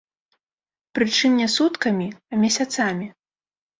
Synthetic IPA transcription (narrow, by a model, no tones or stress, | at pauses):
pɾɨt͡ʂɨmnʲɛsut̪kɐmʲiɐmʲasʲat̪samʲi